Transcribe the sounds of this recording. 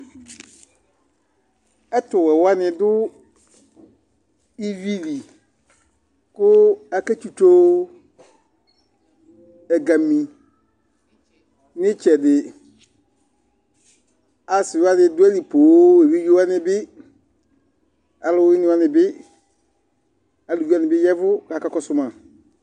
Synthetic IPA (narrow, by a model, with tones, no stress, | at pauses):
ɛ˦tʊ˨wɛ˨wa˦nɪ̃˨dʊ˦ | i˦vi˦li˨ | kʊ˦a˨ke˦t͡ʃu˦to˦ | ɛ˨ɡa˨mĩ˨ | nɪ̃˦t͡ʃɛ˨dɪ˨ | a˨sɪ˨˦a˦dɪ˦dʊ˦ɛ˦li˨poː˨˦e˨ve˦jo˦a˦nɪ̃˨bɪ˦ | a˨lʊ˦ɪ˦nɪ̃˦a˦nɪ̃˨bɪ˦ | a˨lu˨ja˦nɪ̃˨bɪ˦jɛ˦vʊ˦ka˨ka˦kɔ˦sʊ˦mã˨